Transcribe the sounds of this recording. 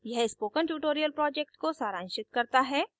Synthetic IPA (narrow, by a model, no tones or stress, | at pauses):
jɛɦɪspoːkə̃ɳʈuːʈoːɾijəlpɾɔːd͡ʒek̚ʈkosaːɾãːnʃɪt̪̚kɐɾt̪aɦɛː